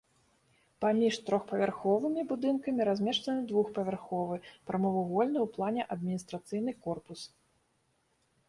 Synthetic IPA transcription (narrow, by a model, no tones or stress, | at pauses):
pamʲiʂt̪ɾɔxpɐvʲarxɔvɨmʲibud̪ɨnkɐmʲiɾazʲmʲɛʂt̪ɐnɨd̪vuxpɐvʲarxɔvɨpɾɐmɔvuɣɔlʲnɨwplˠanʲɛʔɐd̪̚mʲinʲist̪ɾat̪sɨjn̪ɨkɔrpus